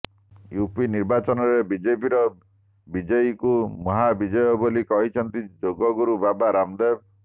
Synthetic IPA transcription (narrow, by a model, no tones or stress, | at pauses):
jupiniɾbat͡ʃɔnɔɾebid͡ʒepiɾɔ | bid͡ʒɔjikumɔɦabid͡ʒɔjɔbolikɔɦit͡ʃʰɔnt̪id͡ʒoɡɔɡuɾubabaɾamd̪eb̚